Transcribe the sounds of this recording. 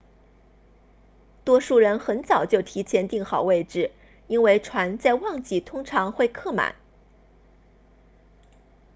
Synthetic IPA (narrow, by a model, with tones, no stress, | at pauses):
t̪wɔ˥ʂu˥˩ɻə˧˥nxə˧˥nt͡sɑ˨˩ʊt͡ɕjo˥˩ʊt̪ʰi˧˥t͡ɕʰjɛ˧˥nt̪i˥˩ŋxɑ˨˩ʊwe˥˧ɪʈ͡ʂɻ̩˥˩ | i˥nwe˥˩ɪʈ͡ʂʰwa˧˥nt͡sa˥˧ɪwɑ˥˧ŋt͡ɕi˥˩t̪ʰʊ˥ŋʈ͡ʂʰɑ˧˥ŋxwe˥˧ɪkʰɤ˥˩ma̰˨˩˦n